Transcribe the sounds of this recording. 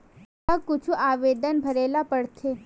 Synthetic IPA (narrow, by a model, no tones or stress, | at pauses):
əkʊt͡ʃʰũʔaʋed̪ənbʱəɾelapəɽtʰe